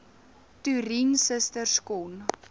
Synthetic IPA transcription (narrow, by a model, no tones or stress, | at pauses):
tyɾinsəstərskɔn